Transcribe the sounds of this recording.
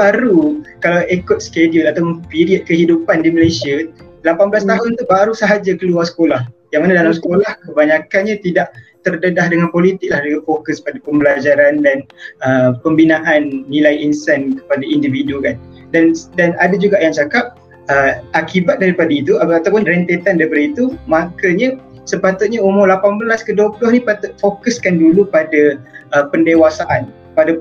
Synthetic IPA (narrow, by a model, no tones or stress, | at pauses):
baɾukalawekʊt̪̚skediʊlat̪apʊnpiɾiət̪̚kəɦidupandiməlesia | lapanbəlasaɦʊnt̪ubaɾusaɦad͡ʒakəluarsə̥kolahjaŋmanadalamsə̥kolahkəbaɲakanɲãt̪idaʔt̪ərdədahdəŋanpolit̪ɪk̚lahdəŋanfokəspadapəmbəlad͡ʒaɾandanəpəmbinaʔanːilajinsankə̥padaindividukan | dandanadad͡ʒuɡaʔjaŋt͡ʃakap̚ | əakibat̪̚daɾipadait̪uat̪awpʊnrɛnt̪et̪andaipəɾit̪umakəɲə | səpat̪ʊt̪̚ɲaumʊlapanbəlaskəduəplʊhnipat̪ʊt̪̚fokəskandulupadaəpəndewasaʔan | pada